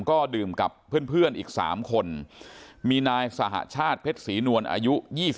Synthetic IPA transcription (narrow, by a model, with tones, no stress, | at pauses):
kɔː˥˩dɯː˨˩mka˨˩pʰːɯ˥˩ənpʰɯ˥˩ənʔiː˨˩k̚sa̰ː˩˦mkʰo˧n | miː˧naː˧jsa˧ɦa̰˨˩ʔt͡ɕʰaː˥˩t̪̚pʰe˦˥t̪̚siː˩˦nu˧ənʔa̰ː˧ju˦˥jiː˥˩s